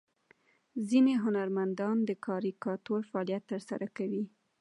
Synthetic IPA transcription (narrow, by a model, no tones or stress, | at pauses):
zineɦʊnaɾmand̪ɑnd̪əkʰɑɾikɑt̪oɾfaɑlijat̪ːəɾsa̰ɾʔakawi